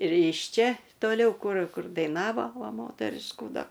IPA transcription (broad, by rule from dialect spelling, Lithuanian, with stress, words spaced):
ɪr ɪʃ ˈt͡ʃʲɛ toːˈlʲɛʊ ˈkʊr ˈkʊr dɐɪˈnɑːʋoː ˈʋɐ ˈmoːtʲɛrʲɪʃkuː ˈdɐ